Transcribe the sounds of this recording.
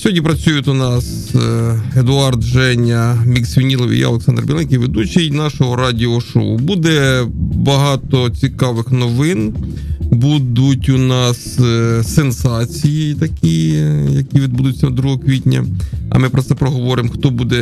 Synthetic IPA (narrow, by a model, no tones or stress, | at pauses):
sʲɔɦɔdʲnʲipɾɐt͡sʲujʊt̪ʲʊnɑs | ed̪ʊɑrd̪ʒɛnʲɐmʲiksʲʋʲinʲilˠɔʋʲḭjɔ̰lˠeksɑnd̪ɾrbʲilˠɛnʲkʲiʋʲed̪ut͡ʃɐjnɑʃɔɦɔɾɑdʲiɔʃɔ̰ʊ̰bud̪ɛbɐɦɑt̪ɔt͡sʲikɑʋɪxnɔʋɪn | bud̪ʊtʲʊnɑssensɑt͡sʲijit̪ɐkʲijɐkʲiʋʲid̪̚bud̪ʊt͡sʲːɐd̪ɾuɦɔkʋʲitʲnʲɐ̰ɐ̰mɪpɾɔtsɛpɾɔɦɔʋɔɾɪmxt̪ɔbud̪ɛ